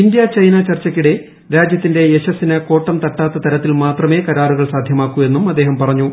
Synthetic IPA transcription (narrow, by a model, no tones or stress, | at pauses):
indjɐt͡ɕɐjnɐt͡ɕɐrt͡ɕːɐkʲːiɽe̞ | ɾaːd͡ʑjɐt̪ːinde̞eɕɐsinɨko̞ːʈːɐmt̪ɐʈːaːt̪ːɐt̪ɐɾɐt̪ːilmaːt̪rɐme̞ːkɐɾaːɾuɣɐɭsaːd̪ʱjɐmaːkːue̞nːumɐd̪ːe̞ːɦɐmpɐrɐɲːu